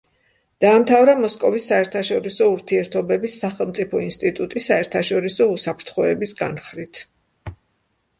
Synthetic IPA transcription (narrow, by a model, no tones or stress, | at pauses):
d̪̥aːmt̪ʰavɾamɔskʼɔvisːaɛɾt̪ʰaʃɔɾisɔuɾt̪ʰiɛɾt̪ʰɔbɛbisːaχɛlˠmt̪sʼipʰɔinst̪ʼit̪ʼut̪ʼisːaɛɾt̪ʰaʃɔɾisɔusapʰɾt̪ʰχɔɛbisɡanχɾit̪ʰ